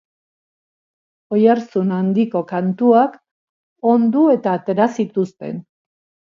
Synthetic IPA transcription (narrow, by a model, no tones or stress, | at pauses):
o̞jaɾsunand̪iko̞kant̪uak | o̞nd̪ue̞t̪aːt̪e̞ɾasit̪ust̪e̞̰n